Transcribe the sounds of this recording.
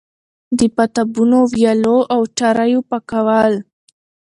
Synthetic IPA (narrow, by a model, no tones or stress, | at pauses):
d̪əpat̪abunowjaloʔawʈaɾajopakawal